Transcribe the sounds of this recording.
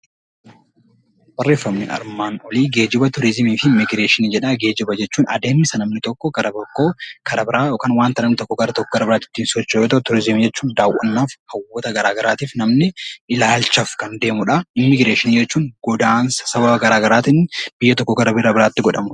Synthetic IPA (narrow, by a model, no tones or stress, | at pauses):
b̥ɐrːeːfːɐmnɪ̰ʔɐ̰ɾmaːnɔliːɡe̞ːd͡ʒɪbɐt̪ʊɾɪzmiːfɪmɪɡɾe̞ːʃɪniːd͡ʒɛᶑɐɡe̞ːd͡ʒɪbɐd͡ʒɛt͡ʃːuːnɐ̰d̪e̞ːmːɪsɐnɐmnɪt̪ɔkːɔɡɐɾɐbɔkːoɡ̥ɐɾɐbɪɾaːjoːkaːnwaːnt̪ɐnɐmnɪt̪ɔkːɔɡɐɾɐt̪ɔkːɔɡɐɾɐbɪɾaːt̪ɪ̥t̪ːiːnsɔt͡ʃːɐjo̞ːt̪ɐʔʊt̪ʊɾɪzɪmid͡ʒɛt͡ʃːuːnd̪aːwʔːɐ̰nːaːfhɐwːɔt̪ɐɡɐɾaːɡɐɾaːt̪iːfnɐmnɪɪlaːlt͡ʃːɐfkɐnd̪e̞ːmʊᶑɐɪmːɪɡɾeːʃɪniːd͡ʒɛt͡ʃːuːŋɡɔd̪aːnsɐ̥sɐbɐbɐɡɐɾaːɡɐɾaːt̪ɪnb̥ɪjːɐt̪ɔkːɔɡɐɾɐbɪɾɐbɪɾaːt̪ːɪɡɔᶑɐmʊ̥